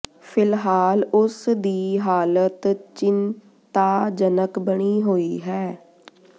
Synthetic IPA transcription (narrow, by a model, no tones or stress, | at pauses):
fʰɪlɦaːlʊsd̪iːɦaːlət̪t͡ʃɪn | t̪aːd͡ʒənəkbəɳ̃iːɦoːiːɦɛː